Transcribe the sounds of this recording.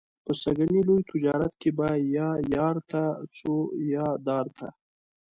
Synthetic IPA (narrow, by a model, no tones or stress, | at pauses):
pəsɐɡənilojt̪ʊd͡ʒɑːɾɐt̪̚kebajajaːɾt̪ʰat͡sʰojaːd̪ɑːɾt̪ʰa̰